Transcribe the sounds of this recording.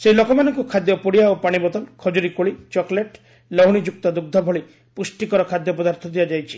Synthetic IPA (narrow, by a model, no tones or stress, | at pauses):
seilokɔmanɔŋkukʰad̪jɔpuɽijaopaɽ̃ibɔt̪ɔnkʰɔd͡ʒuɾikoɭit͡ʃɔkleʈ | lɔɦuɽ̃id͡ʒuk̚t̪ɔd̪uɡ̚d̪ʱɔbʱɔɭi | pusʈikɔɾɔkʰad̪jɔpɔd̪aɾt̪ʰɔd̪iad͡ʒajt͡ʃʰi̥